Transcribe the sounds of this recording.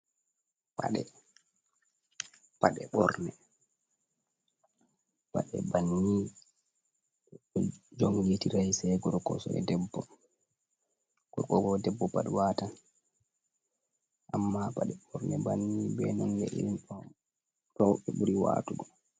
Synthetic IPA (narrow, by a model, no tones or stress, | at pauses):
paɗɛ | paɗɛɓɔɾnɛ | pa̰ɗɛbanːi | d͡ʒɔmjetiɾajsɛɡɔɾkɔsɔʔɛ̰dɛbːɔ | ɡ̥ɔkɔɡɔdɛbːɔpaɗwaːtan | ʔamːapaɗɛɓɔɾnɛbanːibɛnɔndɛ̰ʔiɾinɔ | ɾɔwɓɛɓuɾiwa̰ːtuɡɔ